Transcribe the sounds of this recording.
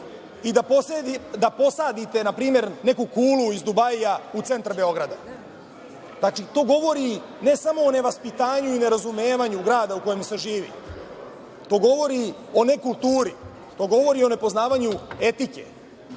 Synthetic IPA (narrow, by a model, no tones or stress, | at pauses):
id̪apo̞sed̪id̪apo̞saːd̪it̪e̞napɾiːme̞ɾne̞kukuːluizd̪ubajaut̪e̞nt̪ɾabe̞o̞ɡɾad̪a | zat͡ʃit̪o̞ːɡo̞ʋo̞ɾi | ne̞samo̞ːne̞ʋaspit̪aːɲuine̞ɾazumeːʋaɲuɡɾaːd̪auko̞jemse̞ʒiːʋḭ | t̪o̞ːɡo̞ʋo̞ɾi | o̞ne̞kulˠt̪uːɾi | t̪o̞ɡo̞ʋo̞ɾio̞ne̞po̞znaːʋaɲue̞t̪ikḛ